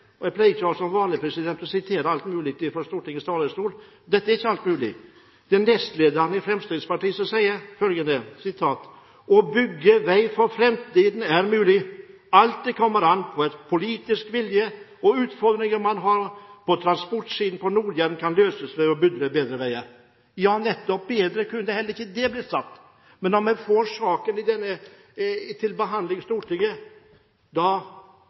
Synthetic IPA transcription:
ɔjæpʰlæɪɡəçɑlsɔmʋɑːnlɪpʰɾɛsɪd̪ɛnt̪ɔsɪt̪ʰeːɾəɑlt̪mʉːlɪk̚t̪ɪfɔɾst̪uːʈɪŋəst̪ɑːləst̪uːl | d̪ɛt̪ːəæɾɪçːəɑlt̪mʉːlɪ̰ | d̪̥ɛnːɛst̪leːd̪əɾnɪfɾɛmst̪ɪd̪spɑʈiːsɔsæɪəɾfœlɡənəsɪt̪ʰɑːt̪ | ɔbʏɡːəʋæɪfɔɾfɾɛmt̪iːd̪n̩æɾmʉːlɪ | ɑlt̪̚d̪ɛkʰɔmːəɾɑnːpʰɔɛt̪pʰʊliːt̪ɪskʋɪljə | ɔʉːt̪fɔɾd̪ɾɪŋəɾmɑnɦɑɾpʰɔt̪ʰɾɑnspɔʈʂiːd̪n̩pʰɔnuːɾjæɾn̩kʰɑnløːsəsmɛɾɔbʏd̪ɾəbeːd̪ɾəʋæɪəɾ | jɑːnɛt̪ːɔp̚beːd̪ɾəkʰʉnːəd̪ɛhɛlːəɾɪçːəd̪ɛblɪsɑt̪ː | mɛnɔmmɛfoɾʂɑːkənɪd̪ɛnːə | t̪ʰɪlbəɦɑnd̪lɪŋst̪uːʈɪŋːə | d̪ɑ

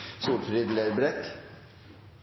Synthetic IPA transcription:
suːlfɾɪd̪leːɾbɾɛk

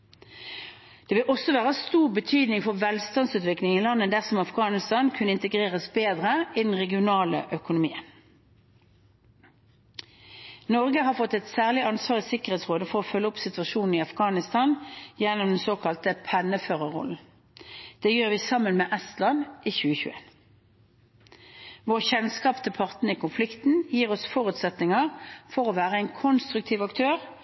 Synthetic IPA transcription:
d̪̥ɛːʋɪlʔɔsɔʋæːʁəst̪uːʁbət̪ʰyːd̪nɪŋfɔʁʋɛlst̪ɑnsʉːt̪ʋɪklɪŋɪlɑnːəd̪æʁsɔmɑfɡɑːnɪst̪ɑːnkʰʉnəɪnt̪əɡʁeːʁəsbeːd̪ʁəid̪ɛn̩ʁɛɡɪʊnɑːlə̰ʔœkʊnʊmiːən | nɔʁɡəɦɑːʁfɔt̪ːɛt̪sæːʁlɪɑnsʋɑːʁɪsɪkəʁeːt̪sʁoːd̪əfɔʁɔfœlːəʊpsɪt̪ʉʋɑʃuːnn̩ɪɑfɡɑːnɪst̪ʰɑnjɛnɔmd̪ɛnsoːkʰɑlt̪əpʰɛnəføːʁəʁɔ̰ln̩ | d̪̥eːjøːʁʋiːsɑmənmeːʔɛst̪lɑnʔiːçʉːəçʉ̰ːḛːn | ʋoːʁçɛnskɑːpt̪ʰɪlpʰɑʁt̪n̩əiːkʰʊnflɪkt̪n̩jiːʁɔsfɔʁʉt̪sɛt̪nɪŋəʁfɔʁoːʋæːʁəɛɪnkʰɔnst̪ʁʉk̚t̪ʰiːʋɑkt̪ʰøːʁ

